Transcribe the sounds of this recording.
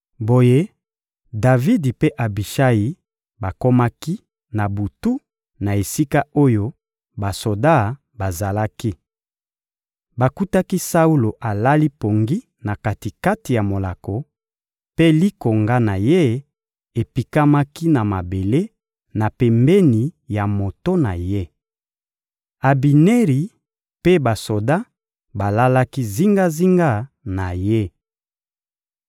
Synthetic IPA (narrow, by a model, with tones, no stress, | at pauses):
bo˨je˦ | da˨vi˦di˨pe˦ʔa˨bi˨ʃa˦ji˨ | ba˨ko˦ma˦ki˦ | na˨bu˨tu˦ | na˨e˨si˦ka˦o˦jo˦ | ba˨so˨da˦˨ | ba˨za˨la˦ki˦ | ba˨ku˦ta˦ki˦sa˦u˦lo˨ʔa˨la˦li˦po˨ŋɡi˦ | na˨ka˨ti˨ka˦ti˨ja˨mo˨la˨ko˨ | pe˦li˦ko˨ŋɡa˦na˨je˦ | e˨pi˨ka˦ma˦ki˦na˨ma˨be˨le˦ | na˨pɛ˨mbɛ˦ni˨ja˨mo˨to˦na̰˨je˦ | a˨bi˨ne˦ʁi˨ | pe˦ba˨so˨da˦ | ba˨la˦la˦ki˦zi˦ŋɡa˦zi˦ŋɡa˦ | na˨je˦